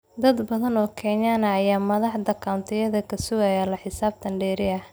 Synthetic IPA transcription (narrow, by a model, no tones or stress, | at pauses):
d̪ɐd̪bɐðɐnɔːkʰɛːnjanɐːjaːmɐðɑħd̪ɐkʰant̪ʰɪjɐðɐkʰɐsʊɣɐjalɐħɪsaːb̚t̪ʰɐɳɖɛːɾɪɐh